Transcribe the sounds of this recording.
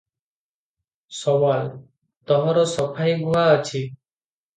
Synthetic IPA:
sɔwal | t̪ɔɦɔɾɔsɔpʰajɡuaət͡ʃʰi

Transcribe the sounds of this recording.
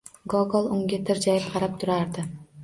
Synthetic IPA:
ɡoɡolˠuŋɡʲet̪ʰɯɾd͡ʒɑjɯp̚qʰɑɾɑp̚t̪ʰuɾɑɾd̪ɯ

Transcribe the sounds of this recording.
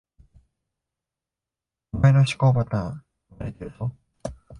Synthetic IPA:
mainoɕi̥koːpat̪ã | maɾet̪eɾɯ̟t̪o

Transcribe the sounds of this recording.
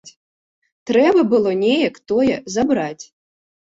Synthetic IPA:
t͡sʲ | t̪ɾɛbɐbɨlˠɔnʲɛjɛkt̪ɔjɛzabɾat͡sʲ

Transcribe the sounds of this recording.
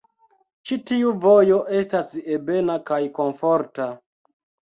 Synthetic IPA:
t͡ʃitiuvo̞jo̞ʔe̞stasebe̞nakajko̞nfo̞ɾta

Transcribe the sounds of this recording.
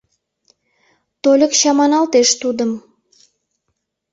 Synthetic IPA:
t̪olʲəkɕɑmɑnɑlt̪eʃt̪ud̪əm

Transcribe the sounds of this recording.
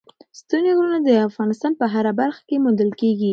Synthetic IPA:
st̪uniɡɾunad̪əafɣɑnɪst̪ɑnpəɦaɾabaɾxḁkemund̪əlkeɡi

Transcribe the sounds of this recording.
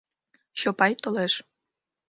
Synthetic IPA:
ɕopɑjt̪oleʃ

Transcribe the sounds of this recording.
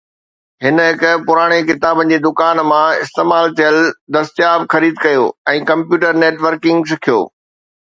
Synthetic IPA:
ɦɪnɦɪkpʊɾaːɽ̃ekɪt̪aːbə̃̆d͡ʑeːd̪ʊkaːnmãɪst̪eːmaːlt̪ʰijəld̪ɐst̪jaːbxɐɾiːd̪kɐjoːɛ̃ːkɐ̃mpjuːʈəɾneːʈʋəɾkɪ̃ŋɡskʰijo̰ː

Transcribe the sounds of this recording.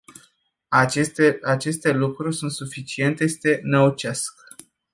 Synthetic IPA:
at͡ʃe̞st̪e̞lukɾurʲsunt̪sufit͡ʃie̞nt̪est̪e̞nəut͡ʃask

